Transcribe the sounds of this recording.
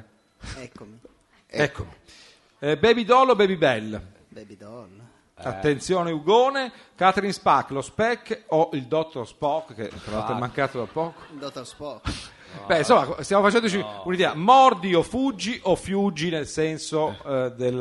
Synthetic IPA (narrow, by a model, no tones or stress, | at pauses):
ɛkːomi | ɛkːomi | bɛːbid̪ɔlːobɛːbibɛlː | bɛbil | at̪ːent̪sjoːneuɡoːne | kat̪ɾinspakːlospɛkːoʔild̪ɔt̪ːorspɔkːḛt̪ːɾala̰lt̪eɛmːaŋkaːt̪od̪apːɔːko̥d̪ɔt̪ːospɔk | bɛinsomːakost̪jamofat͡ʃɛnd̪ot͡ʃiunid̪ɛːamɔrd̪iofud͡ʒːiʔofjud͡ʒːinelsɛnsod̪el